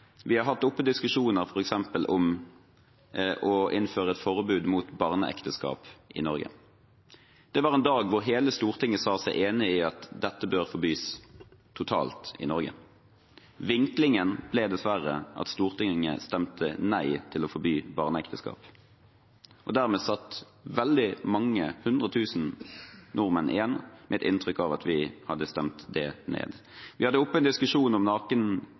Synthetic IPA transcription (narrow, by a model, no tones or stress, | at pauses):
ʋɪhɑʁɦɑt̪ːʊpːəd̪ɪskʉʂuːnəɾfɔɾɛksɛmpəlʔɔm | ʔɔɪnføːʁəɛt̪fɔʁbʉːd̪muːt̪bɑʁnəʔɛ̰kt̪əskɑ̰ːpʔɪ̰nɔɾɡə̰ | d̪̥ɛʋɑːʁɛːnd̪ɑːɡʋʊʁɦeːləst̪uːʁt̪ʰɪŋːəsɑːsæɪʔeːnɪɪɑt̪d̪ɛt̪ːəbøːʁfɔɾbyːst̪ʰʊt̪ʰɑ̰ːlt̪ɪ̰nɔɾɡə̰ | ʋɪŋklɪŋənb̥lɛd̪ɛsʋæɾəʔɑ̰t̪st̪uːʁt̪ʰɪŋŋə̰st̪ɛmt̪ʰənæɪt̪ʰɪlɔfɔɾbyːbɑːʁnəɛkt̪əskɑ̰ːp | ʔɔ̰d̪æʁmɛːsɑt̪ː | ʋɛld̪ɪmɑŋːəhʉnd̪ʁət̪ʰʉːsn̩nɔʁmənʔɪ̰jɛnːmʔɛɛt̪ɪ̰nt̪ʁʏkːɑʋɑt̪ʰʋɪhɑd̪ːəst̪ɛmt̪d̪ɛnḛːd̪ | ʋɪhɑd̪ːəɔpːəɛnd̪ɪskʉʂuːnɔmnɑːkən